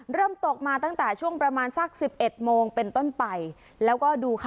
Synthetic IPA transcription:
ɾɤː˥˩mt̪o˨˩k̚maː˧t̪a˥˩ŋt̪ɛː˨˩t͡ɕʰu˥˩əŋpɾa˧maː˧nsa˥˩k̚si˨˩p̚ʔe˨˩t̪̚moː˧ŋpe˧nt̪o˥˩npa˧j | lɛː˦˥wkɔː˥˩duː˧kʰ

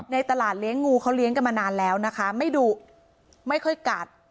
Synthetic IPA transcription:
na˧jt̪a˧laː˨˩t̪̚li˦˥əŋːuː˧kʰa˦˥wli˦˥əŋka˧˩nmaː˧naː˧nlɛː˦˥wna˦˥kʰa˦˥ma˥˩jduː˧ | ma˥˩jkʰɔ˥˩jka˨˩t̪̚

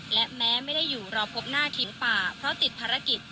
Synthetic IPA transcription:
lɛ˦˥ʔmɛː˦˥ma˥˩jda˥˩jːuː˨˩ɾɔː˧pʰo˦˥p̚naː˥˩t̪ʰi˧˩˦paː˨˩pʰɾɔ˦˥t̪i˨˩t̪̚pʰaː˧ɾa˧˥ki˨˩t̪̚

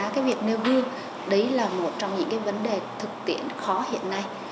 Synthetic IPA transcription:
kaː˨˦jvi˨˩ək̚ne˧wɦɨ˧əŋ | ɗə˨˦jlaː˨˩mo˨˩t̚t͡ɕɔ˧wŋ͡mɲɨ̰˧˥ŋkaː˨˦jvə˨˦nɗe˨˩t̪ʰɨ˨˩k̚t̪ḭ˧˩ənxɔ˨˦hḭ˧˨ənːa˧j

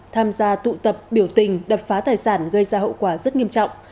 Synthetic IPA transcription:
t̪ʰaː˧mzaː˧t̪ṵ˧˨t̪ə˨˩p̚ɓi˧˩əwt̪ï˨˩ŋ̟ɗə˨˩p̚faː˨˦t̪aː˨˩jsaː˧˩nɣə˧jzaː˧ɦo̰˧˨wkwaː˧˩zə˦˥t̚ŋi˧əmt͡ɕɔ̰˧˨wŋ͡m

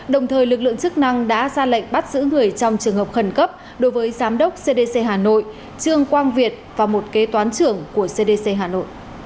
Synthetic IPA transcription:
ɗə˨˩wŋ͡mt̪ʰəː˨˩jlɨ˨˩k̚lɨ̰˧˨əŋt͡ɕɨ˦˥k̚na˧ŋɗa̰ː˧˥zaː˧la̰˧˨ŋ̟ɓa˦˥t̚z̥ɨ̰˧˥ŋɨ˨˩əjt͡ɕɔ˧wŋ͡mt͡ɕɨ˨˩əŋhɦə˨˩p̚xə˧˩nkə˦˥p̚ | ɗo˨˦jvəː˨˦jzaː˨˦mɗə˦˥wk͡p̚se˧ɗe˧se˧ɦaː˨˩no̰˧˨j | t͡ɕɨ˧əŋkwaː˧nvi˨˩ət̚vaː˨˩mo˨˩t̚ke˨˦t̪waː˨˦nt͡ɕɨ˨˩əŋku˧˩əse˧ɗe˧se˧ɦaː˨˩no̰˧˨jʔ

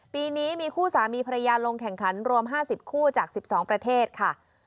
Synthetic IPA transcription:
piː˧niː˦˥miː˧kʰuː˥˩saː˩˦miː˧pʰa˧ja˧jaː˧lo˧ŋkʰɛ˨˩ŋkʰa˩˦nɾu˧əmɦaː˥˩si˨˩p̚kʰuː˥˩t͡ɕaː˨˩k̚si˨˩p̚sɔː˩˦ŋpɾa˧t̪ʰeː˥˩t̪̚kʰa˥˩

